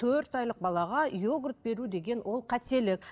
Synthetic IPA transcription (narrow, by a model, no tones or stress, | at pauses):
t̪ʰɵɾt̪ɑjlˠəq̚bɑlˠɑʁɑjoɡrət̪̚be̞ɾud̪e̞ɡʲe̞nwʔo̞lˠqʰæt̪e̞lɪk̚ʲ